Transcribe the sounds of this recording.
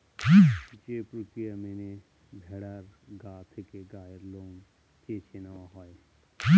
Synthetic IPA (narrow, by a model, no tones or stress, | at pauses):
t͡ʃepɾukɾijamene | bʱeɽaɾɡaːt̪ʰkeɡaːjəɾloːn | ket͡ʃʰenaɦɔːe